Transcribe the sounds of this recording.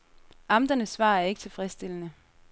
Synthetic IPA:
ʔɑ̈md̥ɐnəsːʋɑ̰̈ːæɐe̝ɡ̥t͡sʰe̝lfʁɛsd̥e̝lənə

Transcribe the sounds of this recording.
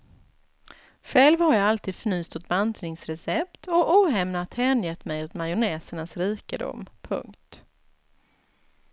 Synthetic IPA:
ɧɛːlvhaɾjaɡalt̪ʰiːd̪̥fny̟ːst̪ʊt̪̚bant̪ɾɪŋsɾɛsɛp̚t̪ʰɔʔuːɦɛmnat̪hɛːnjɛt̪ːmɛjɵt̪majʊnɛːsəɳasɾiːkəd̪ʊ̰mːpʰɵ̰ŋkt̪

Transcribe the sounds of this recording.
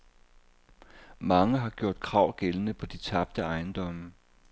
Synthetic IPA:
mɑ̈ŋəɦɑ̈ɡ̥jo̝ɐ̰d̥̚kʰʁɑ̈ʊ̰ɡ̥elənəpʰɒ̽d̥it͡sʰɑ̈b̥̚d̥əɑ̈ɪnd̥ɒ̽mə

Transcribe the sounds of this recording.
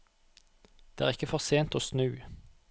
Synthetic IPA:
d̪̥eːæːʁɪkəfɔʁseːnt̪oːsnʉː

